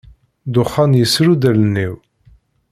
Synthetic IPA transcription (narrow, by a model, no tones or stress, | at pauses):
d̪ʊχːɑnjəsɾud̪ælənːiw